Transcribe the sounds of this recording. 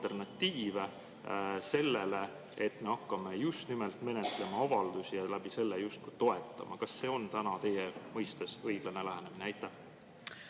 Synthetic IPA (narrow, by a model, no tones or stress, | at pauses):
e̞rnɑt̪ːiːve̞ | se̞lːele̞ | et̪ːme̞ɑkːɑme̞just̪nimelt̪me̞net̪le̞mɑɑvɑld̪̥usijɑlæb̥ise̞lːejust̪̚kujt̪o̞e̞t̪ːˑɑ̰mʔɑkɑsːe̞ːo̞nt̪ænɑt̪e̞jemɤjst̪e̞sɤjɡ̥lɑne̞læɦenemineæjt̪ːæh